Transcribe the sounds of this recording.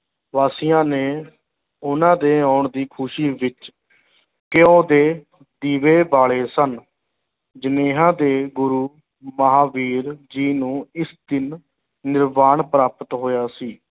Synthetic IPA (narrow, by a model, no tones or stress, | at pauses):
ʋaːsɪjãːneː | ʊnãːd̪eːaːɳd̪iːkʰʊʃiːʋɪt͡ʃ | kɪõːd̪eː | d̪iːʋeːbaːɭeːsən | d͡ʒəneːɦãːd̪eːɡʊɾuː | məɦaːʋiːɾd͡ʒiːnũːɪsd̪ɪnː | ɪɾmaːɳpɾaːpət̪ɦoːjaːsiː